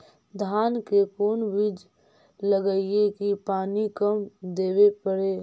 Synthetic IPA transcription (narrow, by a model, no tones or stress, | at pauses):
d̪ʱaːnkekoːnbid͡ʒ | ləɡəiekipaːnikəmd̪eːwepəɽeː